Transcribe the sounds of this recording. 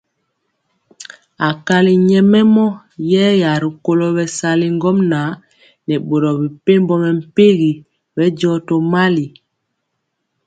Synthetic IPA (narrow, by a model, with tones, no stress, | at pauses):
a˨ka˦li˨ɲɛ˦mɛ˦mɔ˦ | jɛː˦ja˨ɾi˨ko˨lɔ˦bɛ˨sa˨li˦ŋ˦ɡɔ˦mna˨˦ | nɛ˨ɓo˨ɾɔ˨bi˨pe˦mbɔ˦mɛ˨m̩˨pe˦ɣi˨ | bɛ˦ɟɔ˦to˨ma˦li˨